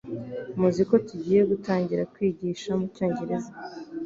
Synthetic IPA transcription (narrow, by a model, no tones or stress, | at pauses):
muziko̞tuɟiːje̞ɡutaːɲɟiɾakwiːɟiːʃamucoːɲɟeɾeza